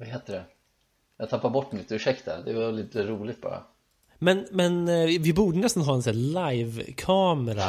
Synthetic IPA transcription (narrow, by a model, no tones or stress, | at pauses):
vaɦeːt̪əɖɛ | jat̪ʰapːaɾbɔʈːnɪt̪ːɵʂɛkt̪a̰d̪ɛvaliːt̪əɾuːlɪɡt̪̚bɑ̰ːɾa̰ | mɛnmɛnɪvɪbuːɖənɛst̪anɦɑːɛnsæːlajvkʰɑːmɛɾa̰